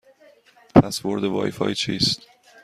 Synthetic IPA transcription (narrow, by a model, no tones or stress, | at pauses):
pʰæsboɾd̪evɒ̰ːjifɒ̰ːjit͡ʃʰiːst̪